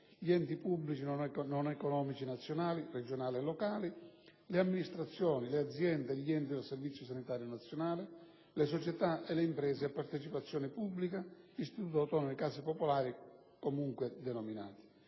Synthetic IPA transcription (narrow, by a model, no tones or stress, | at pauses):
ʎiɛnt̪ipubːlit͡ʃinɔnɛkɔnɔmit͡ʃinat̪sːjɔnaːlirɛd͡ʒonaːliɛlːɔkaːlileamːinist̪ɾat̪sːjɔːnilead̪zjɛnd̪eʎːiɛnt̪id̪elsɛrvit̪sːjʊs̬anit̪aːɾjʊnat̪sːjɔnaːlɪ | lesɔt͡ʃɛt̪aʔɛleimpɾɛːseapːaɾt̪ɛt͡ʃipat̪sːjɔːnɪpubːlikaist̪it̪ut̪ɔt̪ɔnikaːsipɔpɔlaːɾi | komuŋkwed̪ɛnɔminaːt̪i̥